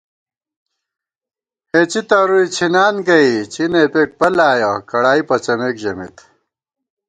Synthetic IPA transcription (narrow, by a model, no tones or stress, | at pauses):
het͡ɕit̪ɐɾuit͡ɕʰinaːnɡɐit͡ɕʰinepeːʈ̚pɐlaːjɐkɐɽaːipɐt͡ɕɐmeːkʑɐmḭt̪